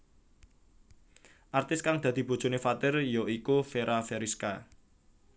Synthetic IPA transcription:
ʔart̪ɪskaŋd̪̥a̤d̪̥i̤b̥o̤̥d͡ʒ̥o̤nefat̪ɪrjɔikufeɾʔafeɾiska

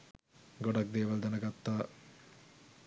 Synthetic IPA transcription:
ɡoɖɐk̚d̪eːʋɐld̪ɐnɐɡat̪ːaː

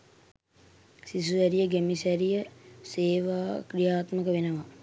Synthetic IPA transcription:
sis̬uʋæɾijəɡæmisæɾijəseːʋaːkɾijaːt̪məkəʋenəʋa

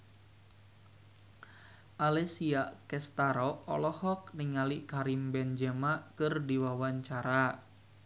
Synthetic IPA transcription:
ʔalɛsiakɛst̪aɾɔɔ̰lɔhɔk̚niŋaliʔkaɾimbɛnd͡ʒɛmaʔkɨrdiwawaɲt͡ʃaɾa

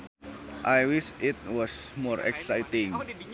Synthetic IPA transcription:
ʔajwiʃitwɔsmɔɾɛ̰ksajtĩŋ

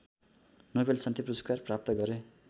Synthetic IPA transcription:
nobelsʌnt̪ʰepruskarprap̚t̪ʌɡʌɾe

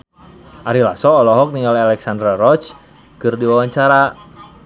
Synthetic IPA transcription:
ʔaɾilasɔːlɔɦɔk̚niŋɡalalɛksand̪ɾarɔt͡ʃ | kɨrdiwawaɲt͡ʃaɾa

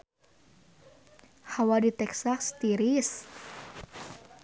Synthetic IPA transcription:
hawadit̪ɛksast̪iɾis

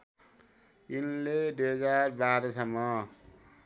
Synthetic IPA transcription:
inledeɡaɾbaɾʌsʌmːʌ

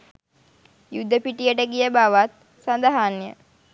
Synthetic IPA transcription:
jud̪ːəpiʈijəʈəɡijəbaʋat̪̚ | sand̪əɦanjə̰

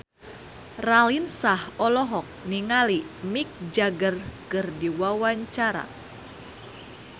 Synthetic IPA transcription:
ralinsahɔlɔɦɔk̚niŋalimik̚d͡ʒaɡərkɨrdiwawaɲt͡ʃaɾa̰

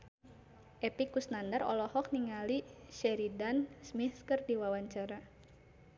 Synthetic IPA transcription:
ʔɛpikusnandarɔ̰lɔhɔk̚niŋaliʃɛɾidansmiθkərdiwawaɲt͡ʃaɾa

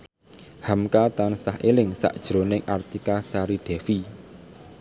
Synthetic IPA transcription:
hamkat̪ansaɦelɪŋsa̰ʔd̥ʒ̥ɾonɪŋʔart̪ikasaɾiɖ̥ɛ̤fi

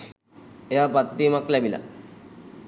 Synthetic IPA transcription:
eɦapat̪ːimaklɛbila̰

